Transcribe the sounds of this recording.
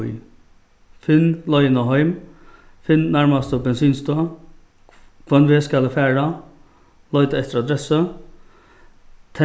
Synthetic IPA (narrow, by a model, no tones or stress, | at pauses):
j | fɪnlɔjənaɦɔjm | fɪnnæɹmast̪əbɛnsyːnst̪ə | kʰvɔnʋɪskalfæːɹa | lɔʏt̪əɛt̪əɾad̪ɾɛsə | t̪ʰɛ